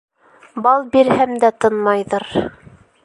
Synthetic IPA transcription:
bɑlˠbiɾhæmd̪æt̪ɤnmɑjðɤɾ

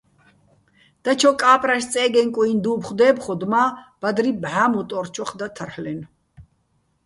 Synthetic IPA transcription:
d̪̥at͡ʃʰɔkʼaːpʼɾaʃt͡sʼɛːɡɛnkʼuind̪uːbχd̪ɛːbχɔd̪mab̥ad̪ɾibʕamut̪ʼɔɾt͡ʃʰɔχd̪at̪ʰəɾhlɛn

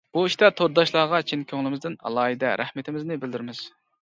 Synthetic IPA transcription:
b̥uiʃt̪ɛt̪ʰoɾd̪ɑʃlˠɑːʁɑt͡ʃʰinkʲʰøŋlɪmɪzd̪ɪnɑ̰lˠɑːɦid̪ɛɾʔæ̰hmɪt̪ʰɪmɪznɪbɪld̪yɾmɪz̥

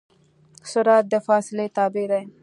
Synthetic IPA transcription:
sʊɾɑt̪̚d̪əfɑsɪlet̪ɑːbed̪aj

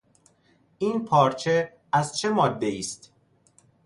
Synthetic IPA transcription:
ʔiːnpʰɒːɾt͡ʃʰe | æzt͡ʃʰe̞mɒːd̪ːe̞iːst̪

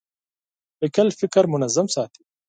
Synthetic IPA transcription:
əkəlfɪkəɾmʊnazamsɑːt̪ʰi̥

